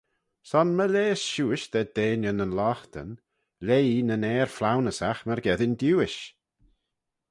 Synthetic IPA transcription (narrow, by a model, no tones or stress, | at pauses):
sɔnməleːsʃuːɪʃd̪ɛd̪̥eːnjənənlɔxt̪ə̰n | lejinənɛːɾflawnəsaxməɾɡɛðɪnd̪juːɪʃ